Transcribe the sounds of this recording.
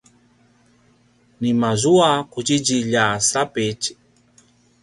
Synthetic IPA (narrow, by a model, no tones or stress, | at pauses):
nimazuakud͡ʒid͡ʒiʎasapɛt͡ʃi̥